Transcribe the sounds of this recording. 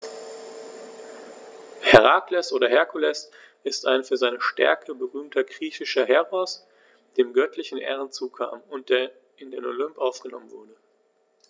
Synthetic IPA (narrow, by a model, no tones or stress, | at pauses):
hɛʁaklɛsʔoːɾɐɦɛɐkʰulɛs | ʔɪstaɪnfyːɐzaɪnəʃtɛ̰ɐkʰəbəʁyːmtʰɐɡʁiːçɪʃɐɦɛʁɔs | d̥eːmɡœtʰlɪçn̩ʔɛ̰ːʁ̞ənt͡suːkʰa̰ːmʊnt̚d̥eːɐ | ʔɪndeːnolʏmpʔaʊfɡ̥ənɔ̰mənvʊɐdə